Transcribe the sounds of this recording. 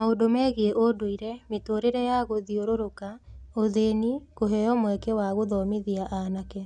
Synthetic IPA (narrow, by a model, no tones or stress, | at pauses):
maodomɛɣeeʔodoiɾɛmetoɾeɾɛjaɣoðioɾoɾokaoðeːnikoɦɛjɔmwɛkɛwaɣoðɔmeðiaʔanakɛ